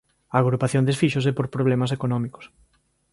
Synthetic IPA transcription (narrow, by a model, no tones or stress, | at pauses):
aːɣ̞ɾupaθjõnd̪esfiʃos̬epoɾpɾoβ̞lemas̬ekonɔ̃miko̥s